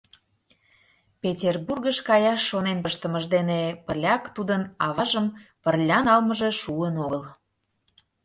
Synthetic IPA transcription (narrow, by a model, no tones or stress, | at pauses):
pʲetʲerburɡəʃkɑjɑʃːonenpəʃt̪əməʒd̪enepəlʲɑkt̪ud̪ənɑβɑʒəmpərlʲɑnɑlməʒeʃuənoɣəl